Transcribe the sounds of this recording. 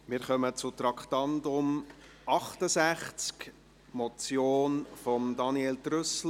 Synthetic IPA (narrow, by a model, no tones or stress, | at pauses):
mɪːɾχœmət͡sʊt̪ɾɑkχt̪ɑndʊm | ɑχt̪əsæχt͡sk | mɔt͡sjoːnfɔmd̪ɑnieːltrʏsl̩